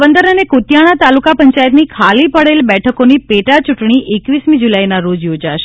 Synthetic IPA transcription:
bənd̪əɾənekut̪jaɽ̃at̪alukapəɲt͡ʃajət̪nikʰalipəɽelbɛʈʰəkonipeʈat͡ʃuʈɳ̃iʔekʋismid͡ʒulajnaɾod͡ʒjod͡ʒaʃe̥

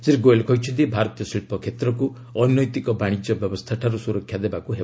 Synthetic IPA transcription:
siɾɡoelkʰɔjt͡ʃʰɔnt̪ibʱaɾɔt̪ijɔsiɭpʰɔkʰet̪ɾɔku | ɔnːɔjt̪ikɔbaɽ̃id͡ʒɔbjɔbɔst̪ʰaʈʰaɾusuɾɔkʰːjad̪ebakuɦe

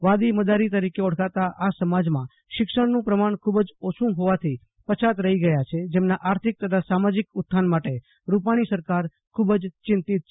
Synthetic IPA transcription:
ʋad̪iməd̪aɾit̪əɾikeɔɽ̤kat̪aʔasəmad͡ʒmã | ʃɪkʃəɽnũpɾəmaɳkʰubd͡ʒot͡ʃʰũɦoʋat̪ʰi | pət͡ʃʰat̪ɾəɦiɡəjat͡ʃʰed͡ʒemnaʔaɾt̪ʰɪk̚t̪ət̪ʰasamad͡ʒɪkʊt̪̚ʰːanmaʈe | ɾupaɽ̃isəɾkaɾ | kʰubd͡ʒt͡ʃɪ̃nt̪ɪt̪̚ʰ

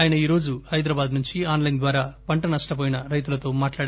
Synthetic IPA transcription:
aːjɐnɐiːɾo̞ːd͡ʒuhɐjd̪ɾaːbaːd̪nuɲt͡ʃiaːnlɐjnd̪ʋaːɾaːpɐɳʈɐnɐʂʈɐp̬oːjinɐɾɐjt̪̬ulɐt̪o̞ːmaːʈlaːɽ

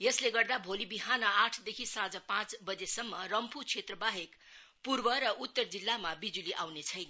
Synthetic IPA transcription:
jʌsleɡʌrd̪abʱolibiɦanʌaʈʰd̪ekʰisad͡zʌpãt͡sbʌd͡zesʌmːʌrʌmpʰut͡sʰet̪rʌbaɦek | purbʌɾʌʔut̪ːʌrd͡zilːamabid͡zuliʔawnet͡sʰʌjnʌ

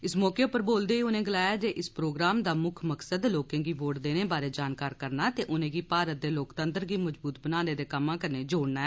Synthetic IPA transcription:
ɪsmɔːkeːpəɾboːld̪eːiːʊnẽːɡəlaːjaːd͡ʒeːʔɪspɾoːɡɾaːmd̪aːmʊkʰməksəd̪loːkẽːɡiːboːʈd̪eːneːbaːɾeːd͡ʒaːnkaːɾkəɾnaːt̪eːʔʊnẽːɡiːpaːɾət̪̚d̪eːloːkt̪ə̃nt̪əɾɡiːməd͡ʒbuːt̪̚bənaːneːd̪eːkəmãːkəɾneːd͡ʒoːɽnaːɛ

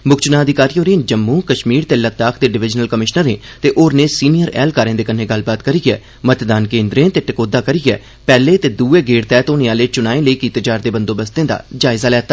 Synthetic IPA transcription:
mʊkt͡ʃnaːəd̪ɪkaːɾiːoːɾẽːd͡ʒəmːũːkəʃmiːɾt̪eːlət̪aːkʰt̪eːɖɪʋɪd͡ʒnəlkəmɪʃnəɾẽːt̪eːʔoːɾneːsiːnijəɾɛ̰ːlkaːɾẽːd̪eːkənẽːɡəlbaːt̪kəɾiːɛ̰ː | mət̪d̪aːnkẽːnd̪ɾẽːt̪eːʈəkoːd̪aːkəɾiːɛː | pɛːleːt̪eːd̪uːeːɡeːɽt̪ɛːt̪oːnẽːaːleːt͡ʃʊnaːẽːləiːkit̪ed͡ʒaːɾd̪eːbənd̪oːbəst̪ẽːd̪a̰ːd͡ʒaːɪzaːlɛːt̪ːaː

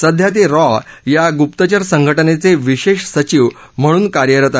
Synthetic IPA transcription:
səd̪ʱjat̪̬iɾɔjaɡupt̪ət͡ɕəɾsəŋɡʱəʈənet͡seʋiɕeɕsət͡ɕiːʋ | m̤əɽ̃uːnkaɾjəɾət̪a

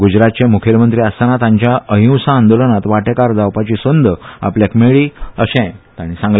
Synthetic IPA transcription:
ɡud͡ʑɾat̪̚t͡ɕemukʰjelmənt̪ɾiːast̪anat̪ãɲt͡ɕjaəɦĩw̃sãːnd̪olənat̪ʋaʈekaɾd͡z̪awpat͡ɕisənd̪ʱa̰pljakmeɭiːəɕɛ̃t̪ãɽ̃isãŋɡl

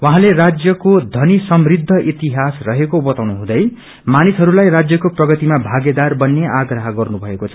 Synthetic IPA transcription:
waɦãlerad͡zjʌkod̪ʱʌnisʌmrid̪ʱːʌʔit̪iɦasrʌɦekobʌt̪awnuɦũd̪ʌj | manisɦʌɾulajrad͡zjʌkoprʌɡʌt̪imabʱaɡed̪arbʌnːeʔaɡrʌɦʌɡʌrnubʱʌekot͡sʰʌ̥

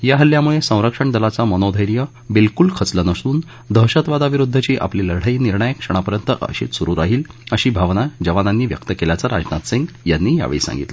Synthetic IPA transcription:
jaɦəljamuɭesə̃w̃ɾəkʂəɳd̪əlat͡samənɔd̪ʱəjɾjə | bilkulkʰət͡slanəst̪uːn | d̪ʱəɦɕət̪ʋad̪aʋiɾud̪ʱːət͡ɕiːʔa̰pliləɽ̤əiːniɾɳəjəkʂəɽ̃apəɾjənt̪əʔə̰ɕḭt̪suɾuːɾaɦiːləɕiːbʱaʋnad͡ʑəʋananːiːʋjə̰kt̪əkelat͡saɾa̰d͡ʑna̰t̪sẽŋɡ | janːiːja̰ʋḛɭḭsã̰ŋɡḭt̪lə̰

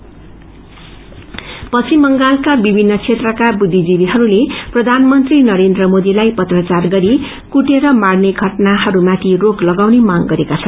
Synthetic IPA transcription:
pʌt͡sʰimʌŋɡalkabibʱinːʌt͡sʰet̪rʌkabud̪ʱːid͡zibiɦʌɾuleprʌd̪ʱanmʌnt̪rinʌɾend̪rʌmod̪ilajpʌt̪rʌt͡sarɡʌɾi | kuʈeɾʌmaɽneɡʱʌʈnaɦʌɾumat̪ʰiroklʌɡawnemaŋɡʌɾekat͡sʰʌn

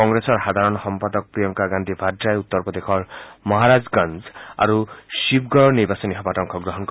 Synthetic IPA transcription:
ɔŋɡɾesɔɾhad̪ʱaɾɔnsɔmpad̪ɔk̚pɾijɔŋkaɡand̪ʱibʱadɾajeut̪ːɔɾpɔd̪ekʰɔɾmɔɦaɾad͡ʒɡanza̰ɾusipɡɔɾɔniɾbasɔniɦɔpaʈɔŋkʰɔɡɾɔɦɔnk

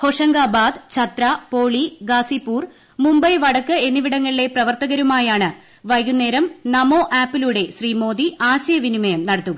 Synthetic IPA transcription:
ho̞ʂɐŋɡaːbaːd̪t͡ɕʰɐt̪ɾɐpoːɭiɡaːsipːuːr | mumbɐjʋɐɽɐkːɨe̞niʋiɽɐŋːɐɭile̞prɐʋɐrt̪ɐɣɐɾumaːjaːɳɨ | ʋɐjunːe̞ːɾɐmnɐmo̞ːʔaːpːiluɽe̞ɕriːmo̞ːd̪iaːɕɐjɐʋinimɐjɐmnɐɽɐt̪ːuɣɐ

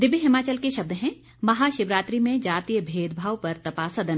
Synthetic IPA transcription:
d̪ɪbiɦɪmaːt͡ʃəlkeʃɐb̚d̪ɦɛ̃ | mɐɦaːʃɪbɾaːt̪ɾimẽd͡ʒaːt̪iːjəbʱeːd̪bʱaːʋpɐɾt̪ɐpaːsɐd̪ən

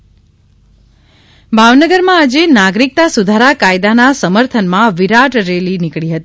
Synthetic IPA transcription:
bʱaʋnəɡəɾmãad͡ʒenaɡɾik̚t̪asud̪ʱaɾakajd̪anasəməɾt̪ʰənmãʋiɾaʈɾelinɪkɭiɦət̪i

